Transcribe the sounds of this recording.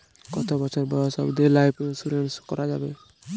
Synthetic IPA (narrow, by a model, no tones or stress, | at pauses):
kɔt̪obɔt͡ʃʰɔɾbɔjɔsɔ̰bd̪elajpnsuɾenskɔɾad͡ʒabe